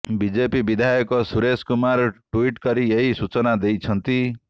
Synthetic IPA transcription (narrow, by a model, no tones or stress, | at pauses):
bid͡ʒepibid̪ʱajɔkɔsuɾeskumaɾʈuiʈkʌɾijeɦisut͡sɔnad̪ejt͡sʰʌnt̪i